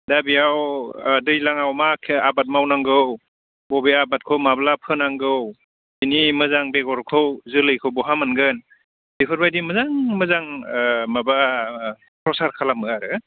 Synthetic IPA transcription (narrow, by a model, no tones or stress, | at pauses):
dabiawdɯjlaŋawmakʰabat̚mawnaŋɡɯw | bɔbeabat̚kʰɯwmablapʰɯnaŋɡɯw | binimɯzaŋbeɡɔɾkʰɯwzɯlɯjkʰɯwbɔɦamanɡɯn | d̥ikʰɯɾbajdimɯzaŋmɯzaŋmaba | pʰɾɔsaɾkʰalamɯaɾɯ